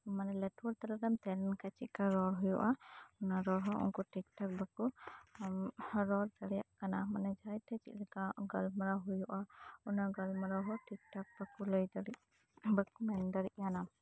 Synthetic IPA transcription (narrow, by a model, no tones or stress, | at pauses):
manɛlɛtwɔɾt̪aɾaɾamt̪ɛlɛnkat͡ʃiʔ̚kaɾɔɾɦujɔʔaɔnaɾɔɾɦɔʔṵnkuʈik̚ʈɔk̚baku | ɾɔɾd̪aɽɛja̰ʔkanamanɛd͡ʒajt̪ʰɛt͡ʃḭʔ̪̚lɛkaɡalmaɾaɦujɔʔaɔnaɡalmaɾaɦɔʈik̚ʈɔk̚bakuləjd̪aɽi | bakumɛnd̪aɾiʔjana